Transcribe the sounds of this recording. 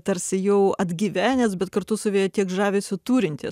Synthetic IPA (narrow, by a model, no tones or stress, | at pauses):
t̪ɐɾʲsʲɪjɛʊɐd̪ʲɡʲiːʋʲæːnʲeːsbʲɛt̪kɐrt̪ʊsɐʋʲiːjɛt̪ʲiɛkʒɑːʋʲeːsʲʊt̪uːɾʲɪnʲt̪ʲɪs